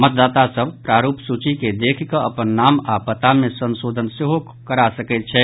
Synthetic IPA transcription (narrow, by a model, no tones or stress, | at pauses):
mət̪̚d̪aːt̪asəbʱpɾaːɾuːpsut͡ʃiked̪eːkʰkəɐpənːaːmapət̪amẽsə̃nsoːd̪ʱənseɦo | kəɾasəkɛt̪̚t͡ʃʰɛː